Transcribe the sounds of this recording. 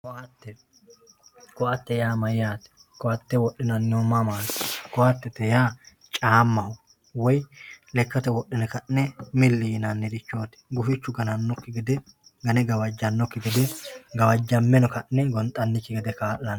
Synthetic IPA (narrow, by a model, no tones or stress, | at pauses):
kɔʔɐt̪ːɛ | kɔɐt̪ːɛjaːmɐjːaːt̪ɛ̥ | kɔɐt̪ːɛwɔɗːɪnɐnːɪɔmamaːt̪ɛ̥kɔwɐt̪ːɛt̪ːɛjaː | t͡ʃʼaːmːɐhʊ | wɔjlɛkːɐt̪ɛwɔɗːɪnɛkɐʔnɛmɪlːijnɐnːɛd̪ɪt͡ʃːoːt̪ɛ̥ɡʊfɪt͡ʃːʊɡɐnɐnːɔkːɪɡɛd̪ɛ | ɡɐnɛɡɐwɐd͡ʒːɐnːɔkːɪɡɛd̪ɛɡɐwɐd͡ʒːɐmːɛnɔkɐʔnɛɡɔnt̪ʼɐnːɪkːɪɡɛd̪ɛkaːʔɐn